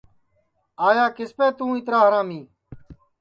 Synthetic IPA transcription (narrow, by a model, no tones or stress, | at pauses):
aːjaːkɪspeːt̪ũːɪt̪ɾaːɦəɾãːmĩː